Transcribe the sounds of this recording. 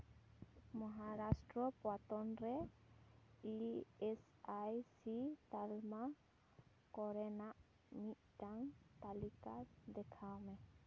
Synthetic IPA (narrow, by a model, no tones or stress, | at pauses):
mɔɦaɾastɾɔpwat̪ɔnɾɛ | iɛsajsit̪alma | kɔɾɛnaʔ | miʔtaŋt̪alikad̪ɛkʰamɛ